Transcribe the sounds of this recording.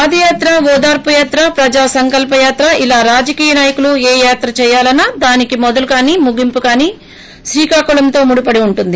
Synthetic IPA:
ppaːd̪ɐjaːt̪ɾɐʋɔːd̪aːɾpɐjaːt̪ɾɐpɾɐd͡ʒaːsɐŋkɐlpɐjaːt̪ɾɐʔilaːɾaːd͡ʒɐkiːjɐnaːjɐkulueːjaːt̪ɾɐt͡ʃɛːjaːlɐnːaːd̪aːnikimɔd̪ɐlukaːniːmuɡimpukaːniː | ʃɾiːkaːkuɭɐmt̪o̞ːmuɽupɐɽiuɳʈund̪i

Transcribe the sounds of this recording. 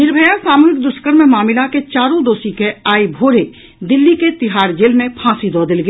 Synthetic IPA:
nɪɾbʱəjasaːmuːɾɪk̚d̪ʊskəɾmẽmaːmɪlaket͡ʃaːɾõd̪oːsikeaːibʱoːɾe | d̪ɪlːiket̪ɪɦaːɾd͡ʒeːlmẽpʰãːsid̪ɔːd̪ɪlɡi

